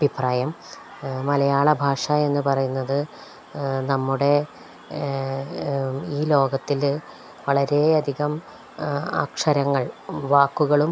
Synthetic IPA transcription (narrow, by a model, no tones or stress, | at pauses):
ɐbʱipraːjɐmː | ɐlɐjaːɭɐbʱaːʂɐe̞nːupɐrɐjunːɐðɨ | nɐmːuɽe̞ | iːlo̞ːɡɐt̪ːil | ʋɐɭɐɾe̞ɐd̪ʱiɣɐm | a̰ːkʂɐɾɐŋːɐɭʋaːkːuɣɐɭum